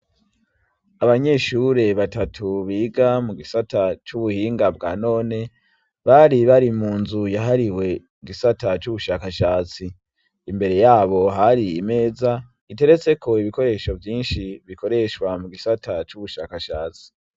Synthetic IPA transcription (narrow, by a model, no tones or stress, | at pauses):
aβaɲe̞ːʃuɾe̞βatatʰuβiːɡamuɡisatat͡ʃuβuhiːŋɡabɡa̰ːno̞ːne̞ | βaɾiβaɾimuːnzujaɦaɾiwe̞ | iɡisatat͡ʃuβuʃakaʃaːt͡siː | mbe̞ɾe̞jaːβo̞ɦaɾiime̞ːza | ite̞ɾe̞t͡se̞kʰo̞iβiko̞ɾe̞ːʃo̞vjiːnʃiβiko̞ɾe̞ʃwamuɡisatat͡ʃuβuʃakaʃaːt͡si̥